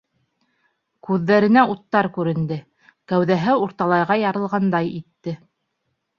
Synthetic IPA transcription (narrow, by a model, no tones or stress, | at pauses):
kʉðːæɾɘ̆næut̪ːɑɾkʉɾɘ̆nd̪ɘ | kæwðæɦɘuɾt̪ɑlˠɑjʁɑjɑɾɤ̆lˠʁɑnd̪ɑjit̪ːɘ